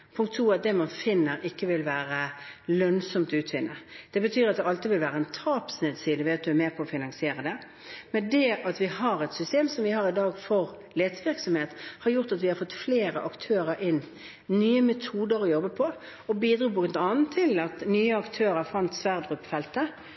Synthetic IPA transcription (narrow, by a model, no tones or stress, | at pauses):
pʰʊŋkt̪ʰːuːɑt̪̚d̪ɛmɑnfɪnːəɾʔɪkːəʋɪlʋæːɾəlœnsɔmt̪ʉːt̪ʋɪnːəd̪̥ɛbət̪ʰyːɾɑt̪̚d̪ɛʔɑlt̪ɪʋɪlʋæːɾəɛnt̪ʰɑːpsnɛːd̪siːd̪əʋɛːɑt̪̚d̪ʉæmeːpʰɔɔfɪnɑŋsɪeːɾəd̪ɛ | mɛnd̪ɛʔɑt̪ʋɪhɑɾɛt̪sʏst̪eːmsɔmʋɪhɑɾɪd̪ɑːɡfɔɾ | leːd̪sʋɪɾksɔmheːt̪hɑɾjʊʁt̪ɑt̪ʋɪhɑɾfɔt̪ːfleːɾəʔɑkt̪ʰøːɾəɾʔɪnː | nyːəmɛt̪ʰuːd̪əɾɔjɔbːəpʰɔ | ɔbiːd̪ɾuːpɔknt̪ɑːnn̩t̪ʰːɪlɑt̪nyːəɑkt̪ʰøːɾəfʁɑnt̪sʋæʁd̪ʁʉpːfɛlt̪ə